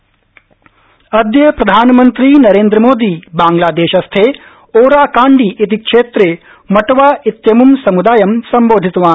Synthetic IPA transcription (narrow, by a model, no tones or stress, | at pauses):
ɐd̪jɐpɾɐd̪ʱaːnɐmɐnt̪ɾinɐɾeːnd̪ɾɐmoːd̪iːbaːŋɡlaːd̪eːʃɐst̪ʰeː | oːɾaːkaːɳɖiʔit̪̬ikʂeːt̪ɾeː | mɐʈɐʋaːit̪jɐmumsɐmud̪aːjɐmsɐmboːd̪ʱit̪ʋaː